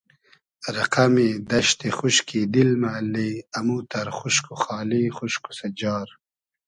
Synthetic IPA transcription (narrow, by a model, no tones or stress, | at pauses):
ɾɐqɐmid̪ɐʃt̪exuʃkid̪ilmalːiɐmut̪ɐɾxuʃkuχɑːlixuʃku̥sɐd͡ʑɑːɾ